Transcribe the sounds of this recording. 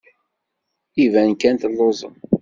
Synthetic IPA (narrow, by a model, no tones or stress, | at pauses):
ivænkænt̪əlːozˤə̰n